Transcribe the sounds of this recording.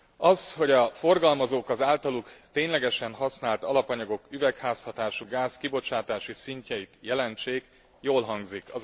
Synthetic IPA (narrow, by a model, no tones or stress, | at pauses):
ɒsho̞ɟɒfo̞rɡɒlmɒzoːkɒzaːlt̪ɒlukt̪eːɲlɛɡɛʃɛnɦɒsnaːlt̪ɒlɒpɒɲɒɡo̞kyvɛkhaːshɒt̪aːʃuɡaːskibo̞t͡ʃaːt̪aːʃisiɲcɛjit̪jɛlɛnt͡ʃeːk | joːlɦɒŋɡzikɒz